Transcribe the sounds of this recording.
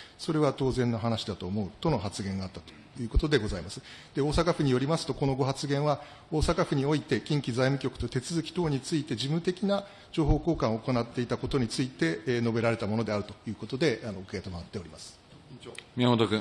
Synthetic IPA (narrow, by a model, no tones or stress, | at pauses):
so̞ɾe̞β̞at̪o̞ːzẽ̞nːo̞ɦanaɕid̪at̪o̞ːmo̞ɯ̟t̪o̞no̞ɦat͡sɨɡẽ̞ŋɡaːt̪ːat̪o̥ | jɯ̟ːko̞t̪o̞d̪e̞ɡo̞zaimasɨ̥d̪̥eo̞ːsakaɸɯ̟ɲ̟ijo̞ɾʲimasɨ̥t̪o̞ko̞no̞ɡo̞ɦat͡sɨɡẽ̞ɰ̃βa | o̞ːsakaɸɯ̟ɲ̟io̞it̪e̞kʲĩŋkʲizaimɯ̟kʲo̞kɯ̟̥t̪o̞t̪e̞t͡sɨzɨkʲi̥t̪o̞ːɲ̟it͡sɨit̪e̞ʑibɯt̪e̞kʲina | d͡ʑo̞ːɦo̞ːko̞ːkãɰ̃ooko̞nat̪ːe̞it̪ako̞t̪o̞ɲ̟it͡sɨit̪e̞no̞be̞ɾaɾe̞t̪amo̞no̞d̪e̞aɾɯ̟t̪o̞̥jɯ̟ːko̞t̪o̞d̪e̞anoɯkeet̪omaβat̪ːe̞o̞ɾʲimasɨ̥ | mʲiamot̪okɯ̃